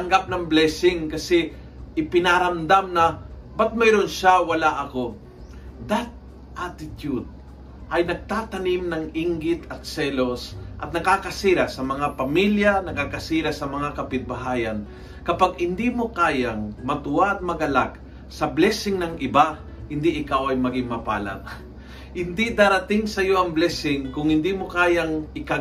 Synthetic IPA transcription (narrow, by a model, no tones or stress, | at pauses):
t̪ɐŋɡap̚nɐŋblɛsɪŋkɐsɛ | ʔɪpɪnaɾɐmd̪amnɐbɐt̪̚mɛjɾonʃawɐlaʔɐko̞ | d̪at̪̚ | ʔat̪ɪt̪jud̪̚ | ʔɐjnɐɡ̚t̪aːt̪ɐnimnɐŋiŋɡɪt̪ɐt̪̚sɛlosʔɐt̪̚nɐkaːkɐsiːɾasɐmɐŋapɐmiljanɐkakɐsiːɾasɐmɐŋakɐpɪt̪̚bɐɦaːjɐn | kɐpaɡ̚hɪnd̪imokaːjaŋmɐt̪ʊʔaʔɐt̪̚mɐɡɐlak̚ | sɐblɛsɪŋnɐŋʔɪba | hɪnd̪iʔɪkawɐjmɐɡɪŋmɐpa̰ːla̰t̚ | hɪnd̪id̪aɾɐt̪ɪŋsɐjo̞ʔɐŋblɛsɪŋkʊŋhɪnd̪imokaːjaŋʔɪka